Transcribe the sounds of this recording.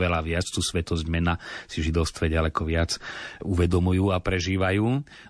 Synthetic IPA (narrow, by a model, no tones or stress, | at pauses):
ʋɛlaʋɪat͡st̪uːsʋɛt̪ɔzɟmɛnasiʒid̪ɔʊst̪ʋɛɟalɛkɔʋɪat͡suʋɛd̪ɔmujuːapɾɛʒiːʋajuː